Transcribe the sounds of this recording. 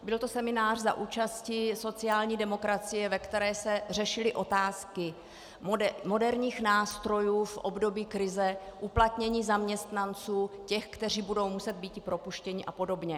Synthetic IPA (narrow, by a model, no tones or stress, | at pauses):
bɪlt̪o̞sɛmɪnaːr̝zaʔuːt͡ʃascɪso̞t͡sɪaːlɲiːdɛmo̞kɾat͡sɪjɛvɛkt̪ɛɾɛːsɛr̝ɛʃɪlɪʔo̞t̪aːskɪ | mo̞dɛɾɲiːxnaːst̪ɾo̞juːfʔobdo̞biːkɾɪzɛʔuplat̪ɲɛɲiːzamɲɛst̪nant͡suːcɛxkt̪ɛr̝iːbudo̞wmusɛd̪̚biːt̪ɪpɾo̞puʃcɛɲɪʔapo̞do̞bɲɛ